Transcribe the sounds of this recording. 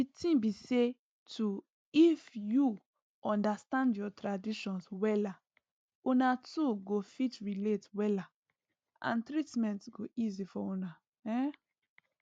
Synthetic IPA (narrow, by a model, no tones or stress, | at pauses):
ditĩbise | tʰu | ifju | ʔɔ̃ndastãndjɔtɹadiʃɔ̃nswɛla | onatuɡofitɹiletwɛla | ʔã̰ntɾitmɛ̃ntɡoʔizifɔũna | ɛ